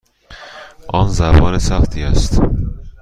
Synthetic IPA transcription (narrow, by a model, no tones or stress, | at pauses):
ʔɒːnzæɾvɒ̰ːɾesæχt̪ʰiːæst̪